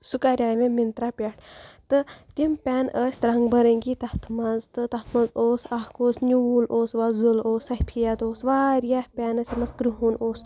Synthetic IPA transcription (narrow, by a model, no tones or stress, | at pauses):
sukaɾʲaːʋẽmint̪ɾaːpʲaʈʰt̪ɨt̪impʲɛːnəːsʲt̪ɾɐŋɡbɐɾəŋɡit̪ɐt̪ʰmɐnzt̪ɨt̪ɐt̪ʰmɐnzoːsɐkoːsnʲuːloːsʋɐzuloːsɐhpʰijat̪oːsʋaːɾijaːpʲɛːnəsʲt̪ɐmɐsɡɾuɦunoːs